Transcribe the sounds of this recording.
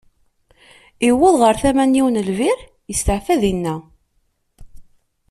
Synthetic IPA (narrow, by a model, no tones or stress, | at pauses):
iwəðʁəɾθæmænːiwnəlvɪɾ | jəst̪əʕfæðinːæ